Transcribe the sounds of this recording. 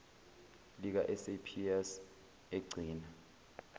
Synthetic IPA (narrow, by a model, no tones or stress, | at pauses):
lik̬aʔɛsepʰiɛs | eɡ͡ǀʱiːna